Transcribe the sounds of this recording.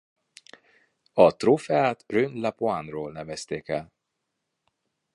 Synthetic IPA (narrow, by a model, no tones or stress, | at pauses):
ɒt̪rofɛaːt̪rønd̪lapoanroːlnɛvɛst̪eːkɛl